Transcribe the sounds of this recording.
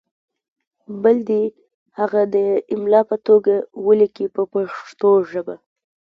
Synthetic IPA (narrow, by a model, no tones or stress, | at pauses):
bəld̪i | haɣad̪əɪmlɑpət̪oɡawəlikipəpaʂt̪oʒəba